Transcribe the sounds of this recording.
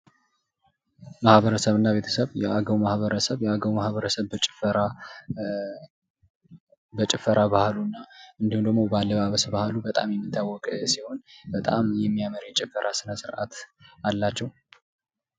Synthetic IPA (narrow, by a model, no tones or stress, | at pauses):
mahβəɾəsəβɨnːaβe̞t̪ʰə̥səβjɛʔaɡəwmahβəɾəsəβjɛaɡəwmahβəɾəsəβbət͡ʃʼɪfəɾa | bət͡ʃʼɪfəɾʔaβahlunːaɨnd̪ihund̪əɡmo̞balːəβaβəsbahlubət̪ʼamjɛmːit̪ʰːawːɔkʼsiho̞nbət̪ʼamjɛmːijaməɾjɛt͡ʃʼɪfːəɾʔasɨnəsɨɾʔa̰t̪alːat͡ʃːɛw